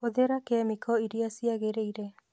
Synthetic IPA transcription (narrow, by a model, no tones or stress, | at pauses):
oðeɾakeamikɔiɾiasiaɣeɾeiɾe